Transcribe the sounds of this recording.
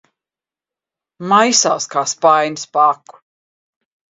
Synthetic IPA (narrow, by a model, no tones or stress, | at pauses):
majsa̰skʰaspajnspaːk